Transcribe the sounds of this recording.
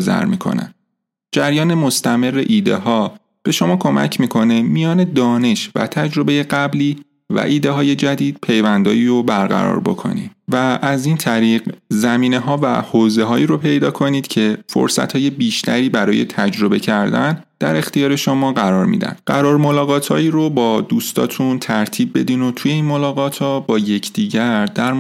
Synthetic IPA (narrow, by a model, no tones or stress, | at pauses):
zæ̰ɾmiːkʰo̞̰næ̰n | d͡ʒæɾjɒːne̞mo̞st̪æme̞rːeʔiːd̪e̞̰ɦɒː | b̥e̞ʃo̞mɒːkʰo̞mʔæ̰cʰmiːkʰo̞ne̞mijɒːne̞d̪ɒːne̞ʃvæ̰t̪ʰæd͡ʒɾo̞beje̞ɢæbliː | væ̰ʔiːd̪e̞ɦɒːje̞d͡ʒæd̪iːd̪̥̚pʰe̞jvænd̪ɒ̰ːiːɾobæɾɣæ̰ɾɒ̰ːɾbo̞̰kʰo̞̰nḭːd̥̪væʔːziːnt̪ʰæɾiːɢzæmiːne̞ɦɒːvæ̰hoːzeɦɒːiːɾo̞pʰe̞jd̪ɒːkʰo̞niːd̪̥cʰe̞fo̰ɾsæ̰t̪ʰhɒːje̞biːʃt̪ʰæɾiːbæɾɒ̰ːje̞̰t̪ʰæd͡ʒɾo̞be̞cʰæɾd̪æn | d̪̥æɾe̞xt̪ijɒːɾe̞ʃomɒːɢæɾɒːɾmḭːd̪æ̰nd̪̥ɢæɾɒːɾmo̞lɒːɣɒːt̪ʰhɒ̰ːiːɾobɒːd̪uːst̪ʰɒ̰ːt̪ʰunt̪ʰæɾt̪ʰiːbːe̞d̪iːno̞t̪ʰuje̞iːnmo̞lɒːɣɒːt̪ʰhɒːbɒːje̞cʰd̪̥iːɟæɾd̪̥æɾ